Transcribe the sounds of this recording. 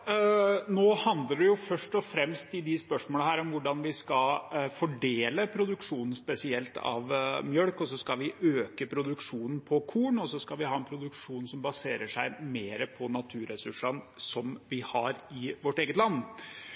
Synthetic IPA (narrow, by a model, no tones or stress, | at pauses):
noːhɑnd̪ləɖɛjʊfœʂʈɔfɾɛmst̪ɪd̪ɪspœʂmoːləɦæːɾɔmʋʊɖɑnʋɪskɑfɔɖeːləpʰɾʊd̪ʉkʂuːnn̩spɛsɪɛlt̪ʰɑ̰ʋmjœɽkɔs̬ɔskɑʋɪʔøːkəpʰɾʊd̪ʉkʂuːnn̩pʰɔkʰuːɳɔsɔskɑʋɪhɑːɛnpʰɾʊd̪ʉkʂuːnsɔmbɑseːɾəʂæɪmeːɾəpʰɔnɑt̪ʰʉːɾɛsʉʂənsɔmʋɪhɑɾɪʋɔʈːeːɡət̪lɑnː